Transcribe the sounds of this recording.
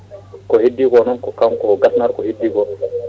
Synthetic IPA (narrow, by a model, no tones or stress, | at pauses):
kɔhidːiɡɔnɔnkɔkamkɔɡasnaɾkɔhidːiɡɔ